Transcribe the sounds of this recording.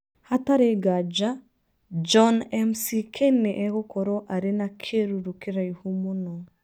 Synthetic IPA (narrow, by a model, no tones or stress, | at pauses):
hataɾeɡad͡ʒa | d͡ʒɔnɛmsikʰeneʔɛɣɔkɔɾɔʔaɾenakʰeɾuɾukiɾaihumunɔ